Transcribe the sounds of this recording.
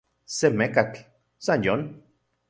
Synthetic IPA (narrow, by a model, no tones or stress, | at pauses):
semekat͡ɬ | sanjon